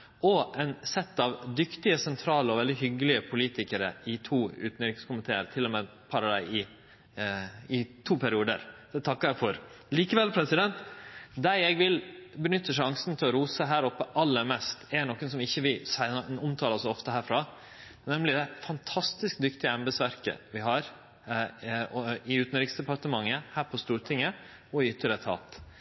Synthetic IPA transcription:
ɔʔɛnsɛt̪ːɑʋd̪ʏkt̪ɪəsɛnt̪ʰɾɑːləɔʋɛld̪ɪɦʏɡəlɪəpʰʊliːt̪ɪkəɾə̰ɪt̪ʰuːʉ̰ːt̪n̩ɾɪkskʊmənt̪ʰeːəɾt̪ʰɪlːɔmɛ | pʰɑɾɑd̪æ̰ɪɪ | ɪt̪ʰuːpʰæɾɪuːd̪ə̰ɾd̪̥ɛt̪ʰɑkːəɾæfɔɾ | liːkəʋɛlpʰɾɛsɪd̪ɛnt̪d̪æɪɛɡʋɪlbənʏt̪ʰːəʂɑŋsn̩t̪ʰɪlɔɾuːsəɦæːɾɔpːəʔɑlːəɾmɛst̪ɛɳɔkːənsɔmɪçːəʋɪsæɔmt̪ʰɑːləsɔft̪əɦæːɾfɾɑː | nɛmlɪd̪ɛfɑnt̪ʰɑst̪ɪskd̪ʏkt̪ɪəɛmbəsʋæɾkə̰ʋɪɦɑɾ | ɔɪʉːt̪n̩ɾɪksd̪ɛpɑɾʈ̪əmɑŋːəhæːɾpʰɔst̪uːɾʈ̪ʰɪŋːə | ɔɪʏt̪ːəɾət̪ʰɑ̰ːt̪

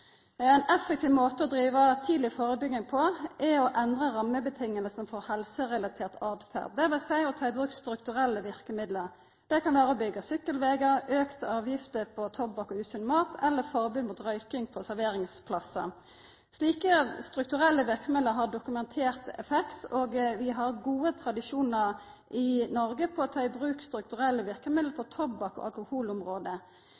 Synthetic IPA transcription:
ɛnɛfɛkt̪iːʋmoːt̪əɔd̪ɾiːʋət̪ʰiːd̪lɪfoːʁəbʏɡɪŋpʰɔʔɛɔʔɛnd̪ʁəʁɑmːəbət̪ʰɪŋːəlsənfɔʁhɛlsəʁɛlɑt̪ʰeːʁt̪ɑʁd̪fæ̰ʁd̪̚d̪ɛʋɛsæɪɔt̪ʰɑːɪbʁʉːkst̪ɾʉkt̪ʉʁɛlːəʋɪʁkəmɪd̪ləʁ | d̪̥ɛkʰɑnʋæːʁəɔbʏɡːəsʏkːəlʋeːɡəøːkt̪əɑːʋjɪft̪əpʰɔt̪ʰɔbbɑkɔʉːsʉnmɑːt̪ʰɛlːəfɔʁbʉːd̪muːt̪ʁœʏkɪŋpʰɔsæʁʋeːʁɪŋspʰlɑsə̰ | sliːkəst̪ɾʉkt̪ʉʁɛlːəʋɪʁkəmɪd̪əɾɦɑʁɖʊkʉmɛnt̪ʰeːʁt̪ɛ̰fɛkt̪oːɡʋɪɦɑʁɡuːət̪ʰɾɑd̪ɪʃuːnəɾ | ʔɪnɔʁɡəpʰɔt̪ʰɑːɪbʁʉːkst̪ɾʉk̚t̪ʉʁɛlːəʋɪʁkəmɪd̪l̩pʰɔt̪ʰɔbɑkɔ̰ʔɑ̰lkʊhuːlʊmʁoːd̪ə

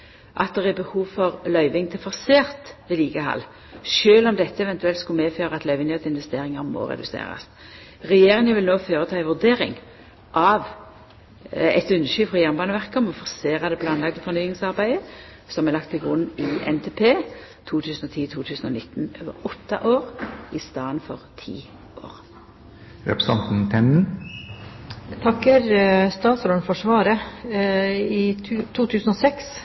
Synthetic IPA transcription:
ʔɑ̰t̪̚d̪ɛʁæbəhuːʋfɔʁlœʏʋɪŋt̪ʰɪlfɔʁseːʁt̪ʋɛːliːɡəhɑ̰lː | ʃøːlɔmd̪ɛt̪ːəɛʋɛnt̪ʉɛlt̪skʊmeːføːɾəɑt̪lœʏʋɪnjœt̪ɪnʋɛst̪eːʁɪŋɑʁmo̰ːʁɛ̰d̪ʉ̰sḛːʁɑ̰s | ʁɛjeːɾɪŋəʋɪlnoːføːʁət̪ʰɑːɛʋʉʁd̪eːɾɪ̰ŋ | ʔɑʋ | ɛ̰t̪ʉnːəʃyːfʁɑjæʁnmbɑːnəʋæʁkəɔmɔfɔʁseːʁɑd̪ɛpʰlɑnlɑɡd̪əfɔʁnyːɪŋsɑʁbæɪə | sɔmɛlɑkt̪pʰɪlɡʁʉnɪʔɛ̰nt̪ʰeːpʰeː | t̪ʰuːt̪ʰʉːsn̩ɔt̪ʰiːt̪ʰuːt̪ʰʉːsn̩ɔ̰nɪt̪ːnøːʋə̰ʁɔt̪ʰːɑ̰ʔoːʁɪst̪ɑːənfɔʁt̪ʰḭː | ʔo̰ːʁ | ɾɛ̰pɾəsɑnt̪n̩t̪ʰɛnn | t̪ʰɑkːəɾst̪ɑːt̪sɔnfɔʂʋɑːɾə | ɪt̪ʰuːt̪ʰʉːsn̩osɛks

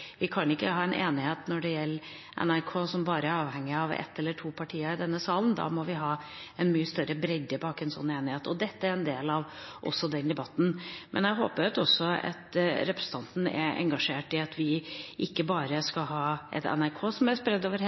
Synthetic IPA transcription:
ʋɪkʰɑnɪkːəhɑːɛnʔḛːnɪheːt̪nɔɖɛjɛlː | ʔɛ̰næɾkʰoːsɔmbɑːɾəæɾɑːʋhɛŋːɪɑʋɛ̰t̪ːɛlːəʈʰuːpʰɑʈʰiːəɾɪd̪ɛnːəsɑːlənd̪ɑ̰ːmɔʋɪɦɑːɛnmyːəst̪œɾəbɾɛd̪əbɑːkɛnsɔ̰nːeːnɪheːt̪ɔd̪ɛt̪ːəæɾɛnd̪eːlɑʋʔɔ̰sːɔd̪ɛnd̪ɛbɑt̪ːn̩mʔɛ̰næɦo̰ːpəɾɑt̪ɔsːɔɑ̰t̪ɾɛpɾəsn̩t̪ʰɑnt̪n̩ɛ̰ʔɛ̰ŋɡɑʂeːʈɪɑt̪ʋɪʔɪkːəbɑːɾəskɑɦɑːʔɛ̰t̪ɛ̰næɾkʰoːsɔmæɾspɾɛd̪ːoːʋəɾ

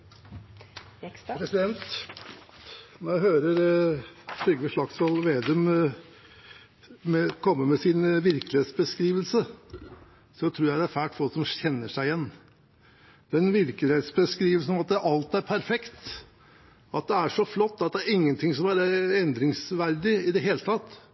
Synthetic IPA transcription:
pʰɾɛsɪd̪ɛnt̪ | nɔɾæɦøːɾəɾ | fɾʏɡʋəʂlɑksɔlʋeːd̪əm | mɛkʰɔmːəmɛsɪnʋɪɾkəlɪheːt̪sbəskɾiːʋəlsə | sɔt̪ʰɾuːɾjæɪd̪æɾfæːʈfɔlsɔmɕɛnːəʂæɪjɛnː | d̪ɛnʋɪɾkəlɪheːt̪sbəskɾiːʋəlsn̩ɔmɑt̪̚d̪ɛʔɑlt̪æɾpʰæɾfɛkt̪ | ɑt̪̚d̪ɛæʂɔflɔt̪ːɑt̪̚d̪ɛæɾɪŋːənt̪ʰɪŋsɔmæɾɛnd̪ɾɪŋsʋæɾd̪ɪɪd̪ɛɦeːlət̪ʰɑt̪ː

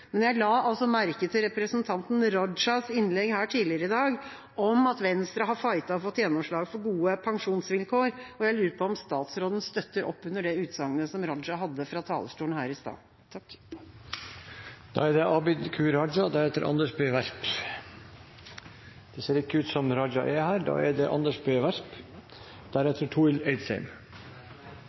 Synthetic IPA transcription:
mɛnjæɪlɑːɑlsɔmæɾkət̪ʰɪɾɛpɾəsnt̪ʰɑnt̪n̩ɾɔdʂɑsɪnlɛɡhæːʈʰiːlɪəɾəɪd̪ɑːɡ | ʔɔmɑt̪ʋɛnst̪ɾɑɦɑfɑɪt̪ɑɔfɔt̪ːjɛnːɔmʂɭɑːɡfɔɾɡuːəpʰɑŋʂuːnsʋɪlkʰoːɾɔjæɪlʉːɾəpʰɔɔmst̪ɑːt̪sɾoːd̪n̩st̪œt̪ːəɾʔɔ̰pːʉnːəɖɛʉːt̪sɑŋːənəsɔmɾɔd͡ʒɑɦɑd̪ːəfɾɑt̪ʰɑ̰ːləʂʈuːnhæ̰ːɾɪst̪ɑ̰ː | t̪ʰɑk | d̪̥ɑ̰ːɛd̪ɛʔɑːbɪd̪kʰʉːɾɑd͡ʒɑd̪æɾhɛːt̪ːəɾʔɑ̰nd̪əʂbeːʋæɾp | d̪̥ɛseːɾɪkːəʉːt̪sɔmɾɑd͡ʒɑ̰ʔɛhæːɾd̪ɑ̰ːɛɖ̪ɛʔɑ̰nd̪əʂbeːʋæɾp | d̪̥æɾɛt̪ʰːəʈʰuːɪlɛɪd̪sæ̰ɪm

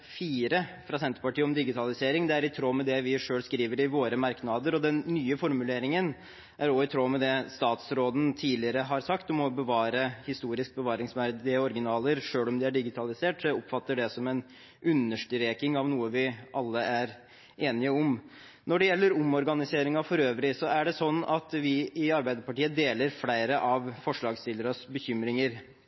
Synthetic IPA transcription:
fiːɾəfɾɑsɛnt̪əɾpɑʈiːəɔmd̪ɪɡɪt̪ʰɑlɪseːɾɪŋd̪ɛæɾɪt̪ʰɾoːmɛd̪ɛʋɪʂøːlskɾiːʋəɾɪʋoːɾəmɑɾknɑd̪əɾɔd̪ɛnːyːəfɔɾmʉleːɾɪŋən | ʔæɾɔɪt̪ʰɾoːmɛd̪ɛst̪ɑːt̪sɾoːd̪n̩t̪ʰiːlɪəɾəɦɑɾsɑkt̪ɔmɔbəʋɑːɾəhɪst̪uːɾɪsk̚bəʋɑːɾɪŋsmæɾd̪ɪɔɾɡɪnɑːləɾʂøːlɔmd̪ɪæɖɪɡɪt̪ʰɑlɪseːʈsɔʊpfɑt̪ːəɖɛsɔmɛn | ʔʉnːəʂʈ̪ɾeːkɪŋɑʋnuːəʋɪʔɑlːəæɾ | eːnɪəɔm | nɔɖɛjɛlːəɾʊmɔɾɡɑnɪseːɾɪŋɑfɔɾøːʋɾɪsɔæɖɛsɔnːɑt̪ʋɪɪɑɾbæɪd̪əɾpɑʈiːəd̪eːləɾflæɪɾəʔɑʋfɔʂɭɑːɡst̪ɪləɾɑsbəçʏmɾɪŋəɾ

